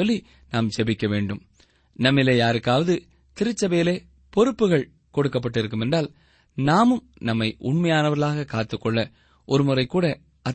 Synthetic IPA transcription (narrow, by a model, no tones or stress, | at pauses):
ɔlːi | naːmsɛbɪkːɐʋeːɳɖɯm | nɐmːɪlːejaːɾɯkːaːʋɐðɯ | t̪ɪɾɯt͡ʃːɐbɐjɪleː | pɔɾɯpːɯɣɐɭ | kɔɽɯkːɐp̬ːɐʈːɪɾɯkːɯmɛndraːl | naːmɯm | nɐmːɐɪʔʊɳmɐjaːnɐʋɐɾɣɐɭaːɣɐkaːt̪ːɯkːɔɭːɐ | ʔɔɾɯmʊrɐɪkːuːɽɐ | ɐ